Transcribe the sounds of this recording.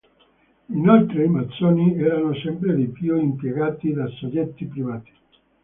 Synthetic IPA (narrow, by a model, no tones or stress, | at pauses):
inolt̪ɾeimat̪sːoːniɛːɾanosɛmpɾed̪ipjuimpjeɡaːt̪id̪asod͡ʒːɛt̪ːipɾivaːt̪i̥